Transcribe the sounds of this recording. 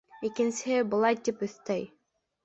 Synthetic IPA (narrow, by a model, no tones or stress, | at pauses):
ikɘ̆nsɘɦɘbɤ̆lˠɑjt̪ipɵ̆θt̪œj